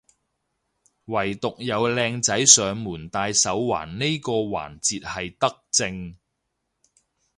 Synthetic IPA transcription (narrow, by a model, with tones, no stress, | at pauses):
wɐ˨˩jt̪ʊ˨k̚jɐ˨˧wlɛː˧ŋt͡sɐ˨˥jsœː˨ŋmuː˨˩nt̪aː˧jsɐ˨˥wwa̰ː˨˩nne˥jkɔː˧wa̰ː˨˩nt͡siː˨t̚hɐ˨jt̪ɐ˥k̚t͡sɪ˧ŋ